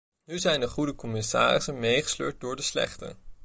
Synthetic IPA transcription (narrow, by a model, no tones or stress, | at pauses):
nyzɛjndəχudəkɔmɪsa̰ːɾɪsəmejχə̥slø̰ːɹt̚dʊːɹdəslɛ̰χtə̰